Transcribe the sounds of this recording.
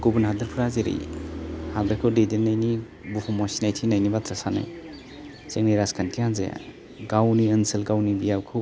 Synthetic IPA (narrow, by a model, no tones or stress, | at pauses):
ɡ̥ubunɦadɯɾpʰɯɾazeɾḭjhadɯkʰɯdedenːajni | bupʰɔmɔsinajtʰinajnibat̪ʰɾasana̰j | t͡ʃeŋniɾaskʰankʰianzaja̰ | ɡawniɯnsɯlɡawnibijawkʰɯ